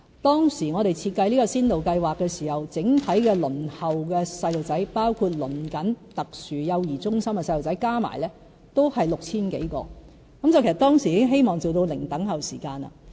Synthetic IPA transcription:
t̪ɔː˥ŋsiː˨˩ŋɔː˨˧ɾe˨jt͡sʰiː˧t̚kɐ˧jliː˥kɔ˧siː˥nt̪o˨wkɐ˧jwaː˨kːɛː˧siː˨˩hɐ˨wt͡sɪ˨˥ŋt̪ʰɐ˨˥jkɛː˧lɵ˨˩nhɐ˨wkɛː˧sɐ˧jlo˨wt͡sɐ˨˥jpaː˥wkʰuː˧t̚lɵ˨˩nkɐ˨˥nt̪ɐ˨k̚syː˨jɐ˨˧wjiː˨˩t͡sʊ˥ŋsɐ˥mkɛ˧sɐ˧jlo˨wt͡sɐ˨˥jkaː˥ma̰ː˨˩jlɛː˥ | t̪o˥whɐ˨jlk̚t͡sʰiː˥nkḛ˨˥jkɔ̰ː˧ | kɐ˨˥mt͡sɐ˨wkʰsɐ˩t̪ɔː˥ŋsi˨˩jiː˨˥ɪ˥ŋɦe˥jmɔː˨ŋt͡so˨wt̪o˧wlɪ˨˩ŋt̪ɐ˨˥ŋɦɐ˨˩wsḭː˨˩kaː˧nɐ̰˨

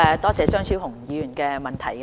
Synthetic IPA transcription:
ɛ˨˧t̪ɔː˥t͡sɛː˨˧t͡ʃœː˥ŋsʰiː˥whʊ˨˩ŋjiː˨˧jyː˨˩nkɛː˧mɐ˨nt̪ʰɐ˨˩jk

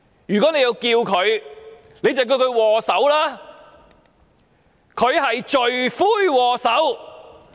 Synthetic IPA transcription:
jyː˨kɔː˨˥ne˧ji˧wkiː˧wkʰɵ˨˧ɥ | ne˨˧jt͡sɐ˨wk̬i˧wkʰɵ˨˧ɥwɔː˨˩sɐ˨˥wlaː˥ | kʰɵ˨˧ɥhɐ˨jt͡ʃɵ˨ɥfuː˥jwɔː˨˩sɐ˨˥w

